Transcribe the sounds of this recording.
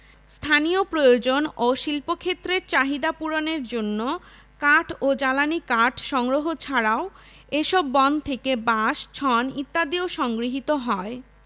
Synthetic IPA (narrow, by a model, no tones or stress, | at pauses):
st̪ʰaniopɾojod͡ʑonoʃilpokʰet̪ːɾeɾt͡ɕaɦid̪apuɾoneɾd͡ʑonːo | kaʈʰod͡ʑalanikaʈʰʃɔŋɾoɦot͡ɕʰaɽao | eʃɔbːɔnd̪t̪ʰekebaʃt͡ɕʰɔnit̪ːad̪ioʃɔŋɡɾiɦit̪oɦɔe